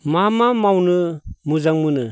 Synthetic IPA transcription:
mamamawnɯmuzaŋmɯnɯ

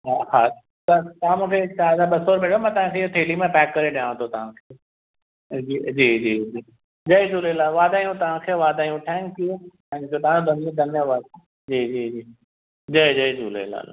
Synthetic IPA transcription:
ɦaha | t̪ɐt̪ɐʋãmũːkʰet͡ɕaːɾd̪abɐsoːɾbʱeːʈʰomãt̪ɐʋ̤ãkʰeot̪ʰeːlimẽpɛːkːɐɾeɗijãːʋ̃t̪ʰot̪ɐʋ̤ãkʰeː | d͡ʑid͡ʑiːd͡ʑiːd͡ʒiː | d͡ʒɐjd͡ʒuːlelaːlʋaːd̪aːijũt̪ɐʋ̤ãkʰeʋaːd̪aːijũʈʰɛ̃ːŋki | ɛ̃ːd͡ʑot̪ɐʋãd̪ʱɐñd̪ʱɐnjaʋaːd̪̚ | d͡ʑiːd͡ʑiːd͡ʒiː | d͡ʑɐd͡ʑɐid͡ʒuːlḛla̰ːl̰

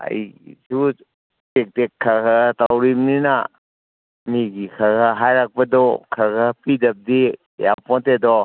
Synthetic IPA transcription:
a̰jsu | tek̚tekʰːakatawɾimnina | miɡikʰaɡaɦajɾak̚pɐdɔkʰaɾɡapidɐp̚di | ja̰pɔntedɔ

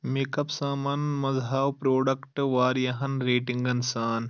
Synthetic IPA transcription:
meːkɐpsaːmaːnmɐzɦaːwpɾoːɖɐkʈʋaːɾjɐɦɐnɾeːʈɪŋɡɐnsaːn

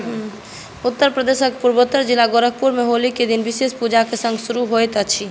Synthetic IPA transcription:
ɦ | ut̪ːəɾpɾəd̪esəkpuɾbot̪ːəɾd͡ʒilaɡoɾək̚puɾmeɦoliked̪inbisespud͡ʒakesə̃ŋɡsuɾuɦojt̪ət͡ʃʰi

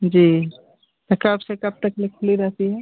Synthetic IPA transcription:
d͡ʒiː | t̪ɐkɐbsekɐb̚t̪əklɪkʰːliɾɛɦt̪iɦɛ

